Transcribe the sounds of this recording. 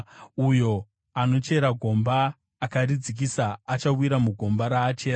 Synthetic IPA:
ujo̞ | ano̞t͡ʃe̞ɾaɡʱo̞mbaː | karid͡zik̬isaːt͡ʃawiɾamuɡʱo̞mbaɾaːt͡ʃe̞ːɾa

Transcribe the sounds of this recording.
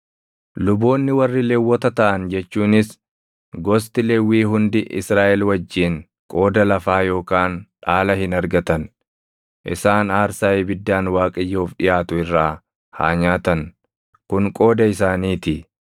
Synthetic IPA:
lʊbo̞ːnːɪwɐrːɪleːwːɔt̪ɐt̪ɐʔɐnd͡ʒɛt͡ʃːuːnɪs | ɡɔst̪ɪleːwːiːɦʊnd̪ɪʔɪ̰sɾaːʔɛlwɐd͡ʒːiːŋ | kʼo̞ːd̪ɐlɐfaːjo̞ːkaːnᶑaːlɐhɪnɐɾɡɐt̪ɐn | ʔɪ̰saːnaːɾsaːebɪd̪ːaːnwaːkʼɪjːoːfɗɪjaːt̪ʊɪrːaː | ha̰ːɲaːt̪ɐn | kʊŋkʼo̞ːd̪ɐɪsaːniːt̪ɪ

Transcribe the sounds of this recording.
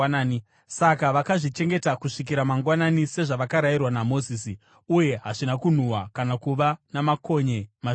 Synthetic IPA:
sakaʋakaʐit͡ʃe̞ŋɡe̞takuʂik̬iɾamaŋɡwananise̞ʐaʋakaɾairwanamo̞ziːsi | uje̞ɦaʐinakun̤uwa̰kanakuʋanamako̞ɲe̞ma

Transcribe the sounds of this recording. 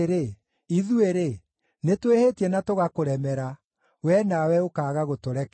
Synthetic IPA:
ɾe | iðueɾe | netwehetiɛnatoɣakoɾɛmɛɾa | wɛnawɛokaːɣaɣotoɾɛk

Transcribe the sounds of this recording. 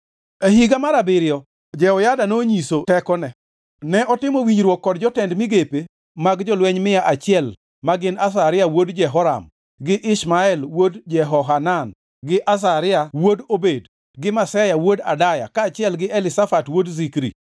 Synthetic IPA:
eɦiɡamaɾabɪɾɪjɔ | d͡ʒɛɔjadanoɲisotɛkɔnɛ | nɛɔtɪmowiɲɾwokːɔd̚d͡ʒɔtɛndmɪɡepe | maɡd͡ʒɔlwɛɲmɪjaʔat͡ʃɪɛl | maɡɪnas̬aɾɪjawodd͡ʒɛɦɔɾa̰m | ɡɪʔɪʃmaɛlwodd͡ʒɛɦɔɦanan | ɡɪʔas̬aɾɪawodobed | ɡɪmasɛjawoda̰daja̰kaːt͡ʃɪɛlɡɪʔɛlɪsafatwodzikɾḭ

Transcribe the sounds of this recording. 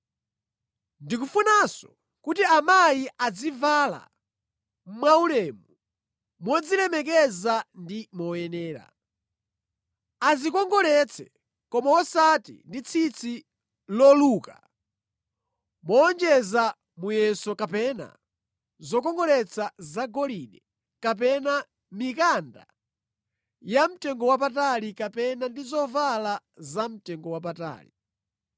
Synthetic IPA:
ndik̬ufunasɔ̥ | kut̬iamajiʔad͡zivala̰ | m̩mwaulɛːmu | mɔd͡zilɛmɛk̬ɛzandimɔjɛnɛːɾa̰ | azikɔŋɡɔlɛt͡sʰɛ | kɔmaɔsatḭndit͡sʰit͡sʰi | lɔluːka | mɔːnd͡ʒɛza | mujɛsɔkapɛna̰ | zɔkɔŋɡɔlɛt͡sʰazaɡɔliɗɛ | kap̬ɛna | mikanda̰ | jam̩tɛŋɡɔwap̬atalikapɛnandizɔvala | zam̩tɛŋɡɔwap̬ata̰ːlḭ

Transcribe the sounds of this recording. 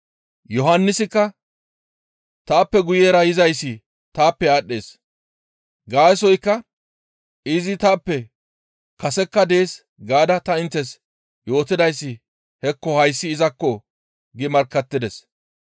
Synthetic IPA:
jɔɦɐnːɪsɪkːɐ | t̪aːpːɛɡʊjeːɾɐjɪzɐjsːɪ | t̪aːpːɛaːɗːe̞ːs | ɡaːsɔjkːɐ | ɪzɪt̪aːpːɛ | kɐsɛkːɐd̪e̞ːs | ɡaːd̪ɐt̪ɐɪnt̪ːɛs | jo̞ːt̪ɪd̪ɐjsːɪ | hɛkːɔhɐjsːɪːzɐkːɔ | ɡɪmɐɾkːɐt̪ːɪd̪ɛs

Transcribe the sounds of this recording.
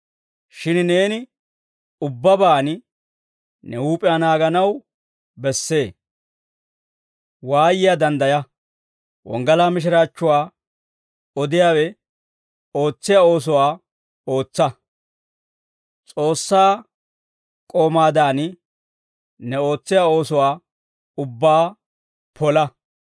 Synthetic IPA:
ʃɪnne̞ːnɪ | ʊbːɐbaːn | nɛhuːpʼɪjanaːɡɐnɐw | bɛsːe̞ː | waːjɪjaːd̪ɐnd̪ɐjɐ | wɔ̰ŋɡɐlaːmɪʃ̬ɪɾaːt͡ʃːʊwaː | ɔd̪ɪjaːwɛ | o̞ːt͡sːɪjaːo̞ːs̬ɔwaː | o̞ːt͡sːɐ | t͡sʼo̞ːsːaː | kʼoːmaːd̪aːn | nɛo̞ːt͡sːɪjao̞ːsɔwaː | ʊbːaː | pʰɔlɐ

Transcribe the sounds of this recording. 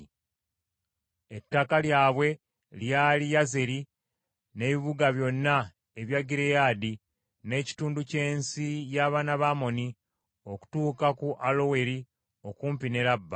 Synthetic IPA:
e̞tːakaljaːβwe̞ | ljaːlijaze̞ɾi | ne̞βiβuɡaβjo̞nːa | eβjaɡiɾejaːdi | ne̞ːci̥tuːnduce̞ːnsijaːβaːnaβamo̞ni | o̞ku̥tuːkakuʔalo̞we̞ɾi | o̞kuːmpine̞ɾabːa

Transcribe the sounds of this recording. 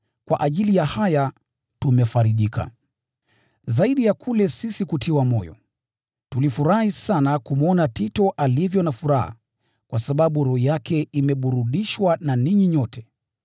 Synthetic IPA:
kwa̰ʔaʄilijahaja | tumɛfaɾiʄika̰ | zaiɗijakʰulɛsisikutiwamɔjɔ̰ | tulifuɾahisanakumɔnatitɔʔalivjɔnafuɾaha̰ | kwasaɓaɓuɾɔjakɛimɛɓuɾuɗiʃwananiɲiɲɔtʰɛ̥

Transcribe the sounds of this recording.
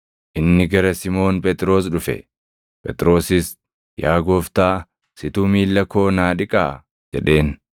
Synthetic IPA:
ʔɪnːɪɡɐɾɐsɪmo̞ːnpʼɛt̪ʼɾo̞ːs̬ᶑʊfɛ̰ | pʼɛt̪ʼɾo̞ːsɪs | jaːɡo̞ːft̪aː | sɪt̪uːmiːlːɐko̞ːnaːᶑɪkʼaː | d͡ʒɛᶑe̞ːn

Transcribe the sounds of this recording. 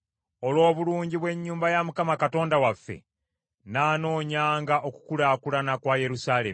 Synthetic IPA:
o̞lwo̞ːβuluːɲɟiβwe̞ɲːuːmbajamukamakato̞ːndawafːe̞̰ | naːno̞ːɲaːŋɡaʔo̞ku̥kulakulanakwaːje̞ɾusaːle̞̰m

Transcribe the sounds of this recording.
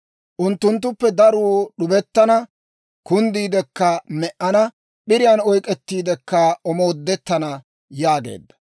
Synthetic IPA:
ʔʊnt̪ːʊnt̪̬ːʊpːɛd̪ɐɾuːɗʊbɛt̪ːɐnɐ | kʊnd̪iːd̪ɛkːɐmɛʔːɐnɐ | ɓɪɾɪjɐnɔjkʼɛt̪ːiːd̪ɛkːɐɔmoːd̪ːɛt̪ːɐnɐ | jaːɡḛːd̪ːɐ

